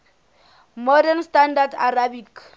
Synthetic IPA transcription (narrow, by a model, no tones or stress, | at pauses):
mɔdanstandarda̰ɾabik